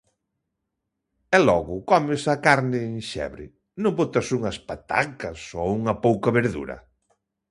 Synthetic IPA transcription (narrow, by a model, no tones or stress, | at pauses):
ɛlɔɣʊkɔmɪsɐkaɾnɪːŋʃɛ̰βɾɪ̰ | nõmbot̪ɐsuŋɐspat̪a̰kɐsouŋɐpowkɐβeɾðṵɾɐ̰